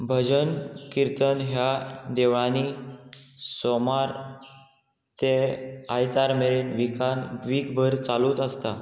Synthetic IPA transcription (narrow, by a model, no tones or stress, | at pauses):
bʱəd͡ʑənkiɾt̪ənɦjad̪eʋɭani | somaɾ | t̪eajt͡saɾmeɭiːnʋikanʋiːkbʱəɾt͡saluːt̪əst̪a